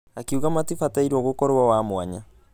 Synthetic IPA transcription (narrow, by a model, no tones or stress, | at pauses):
akiuɣamatifataiɾɔɣokɔɾawamwaɲa